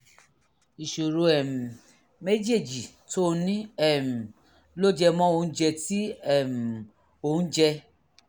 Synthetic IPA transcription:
i˨ʃo˨ɾo˧ɛ˨m˨ | me˦d͡ʒe˦˨d͡ʒi˨ | to˦nĩ˦ɛ˦˨m̩˨ | lo˦d͡ʒɛ˧mɔ̃˦o˧ũ˦d͡ʒɛ˧ti˦ɛ˦˨m˨ | o˧˨ũ˦d͡ʒɛ˧

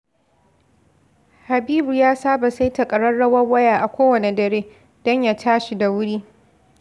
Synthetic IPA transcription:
ha˨biː˦bu˨jaː˦saː˦ba˨sa˦jtɐ˨kʼɐ˨ɽɐ˦rɽɐ˦wɐ˦wɐ˦jaː˨ʔa˨kʷoː˦wɐ˨ne˨dɐ˨ɽeː˦ | d̥ɔ˦ɲja˨tʰaː˦ʃi˨da˨wʊ˦ɽiː˦

